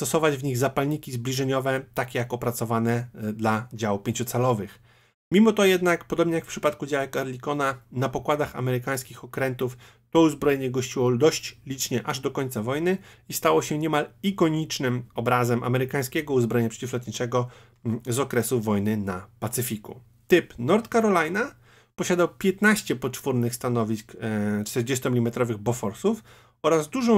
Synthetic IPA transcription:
st̪ɔsɔvad͡ʑvɲiɣzapalɲikʲizblʲiʐɛɲɔvɛt̪akʲejakɔpɾat̪sɔvanɛd̪lad͡ʑawpʲjeɲt͡ɕut̪salɔvɘx | mʲimɔt̪ɔjɛd̪nakpɔd̪ɔbɲɛjakfpʂɘ̥pat̪kud͡ʑawɛkɛɾlʲikɔnanapɔkwad̪axa̰mɛɾɘkaj̃skʲixɔkɾɛnt̪uf | t̪ɔuzbɾɔjɛɲɛɡɔɕt͡ɕiwɔd̪ɔɕt͡ɕlʲit͡ʂɲɛʔaʐd̪ɔkɔɲʲt̪savɔjnɘist̪awɔɕɛɲɛmalikɔɲit͡ʂnɘmɔbɾazɛmʔa̰mɛɾɘkaj̃skʲɛɡɔuzbɾɔjɛɲapʂɛ̥t͡ɕiflɛt̪ɲit͡ʂɛɡɔ | zɔkɾɛsuvɔjnɘnapat̪sɘfʲikṵ | t̪ɘpnɔɾt̪kaɾɔlajna | pɔɕad̪awpʲjɛt̪naɕt͡ɕɛpɔtfuɾnɘxst̪anɔvʲiskt͡ʂt̪ɛɾd͡ʑest̪ɔmʲilʲimɛt̪ɾɔvɘɣbɔfɔɾsuf | ɔɾazd̪uʐɔ̃w̃

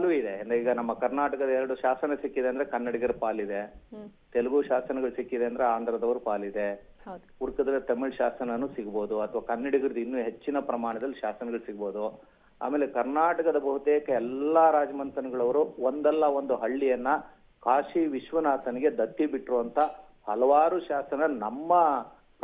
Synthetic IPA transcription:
aluid̪eɐnd̪eiːɡɐnɐmːɐkɐɾnaːʈɐkɐd̪ɐɛɾɐɽuʃaːsɐnɐsikːid̪eɐnd̪ɐɾekɐnːɐɽiɡɐɾupaːlid̪e̞t̪ɛlɐɡuːʃaːsɐnɐɡɐɭusikːid̪e̞ɐnd̪ɐɾeaːnd̪ʱɐɾɐd̪ɐʋɐɾupaːlid̪e̞ɐ̥puɾkɐd̪ɐlːt̪ɐmiɭʃaːsɐnɐnːuːsiɡɐbo̞ːd̪uɐt̪ʰɐʋaːkɐnːɐɽiɡɐɾud̪inːuːɦe̞t͡ʃːinɐpɾɐmaːɳɐd̪ɐlːiʃaːsɐnɐɡɐɭusiɡɐbo̞ːd̪u | a̰ːmeːlekɐɾnaːʈɐkɐd̪ɐbɐɦut̪eːkɐɛlːɐɾaːd͡ʒɐmɐnt̪ɐnɐɡɐɭɐʋɐɾuond̪ɛlːɐʋond̪uɦɐɭːijɐnːɐ | kʰaːʂiʋiʃʋɐnaːt̪ɐniɡe̞d̪ɐt̪ːibiʈːɾuʋɐnt̪ʰɐ | hɐlɐʋaːɾuʃaːsɐnɐnɐmːɐ | p

